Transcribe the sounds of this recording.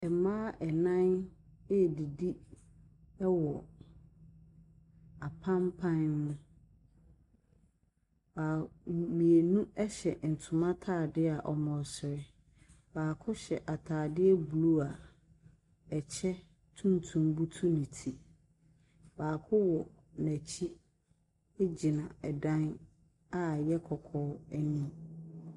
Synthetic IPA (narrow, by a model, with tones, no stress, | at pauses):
ɛ˨mãː˦ʔɛ˨nã˦n | ɛ˦˨di˨di˦ | ɛ˦wɔ˨ | a˨pʰã˦mpʰã˦nːũ˦ | baː˨m˨mĩ˨e˨nũ˦ɛ˦ɕɛ˨n̩˨tʰʊ̃˨mã˦tʰaː˦˨dɪ˦a˨ʔɔ˨mɔ̃˨sɪ˨ɾɪ˦ | baː˨kʰʊ˦ɕɛ˨ʔa˨tʰaː˨dɪ˦ɛ˦bu˨lu˦a˨ | ɛ˨t͡ɕʰɛ˦ | tʰũ˦ntʰũ˦mbu˦tʰu˦nĩ˨tʰi˨ | baː˨kʰʊ˦wɔ˨ | næ˨t͡ɕʰi˦ | e˦d͡ʑi˨nã˨ɛ˨dã˦n | a˨jɛ˦kʰɔ˨kʰɔː˦æ˦nĩ˦